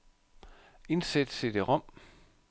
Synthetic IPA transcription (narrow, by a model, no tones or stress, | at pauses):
e̝nsed̥sed̥eʁɒm̰